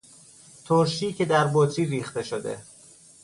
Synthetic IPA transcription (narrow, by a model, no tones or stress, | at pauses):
t̪ʰoɾʃiːcʰe̞d̪æɾbot̪ʰɾiːɾiːxt̪e̞ʃod̪e̞̰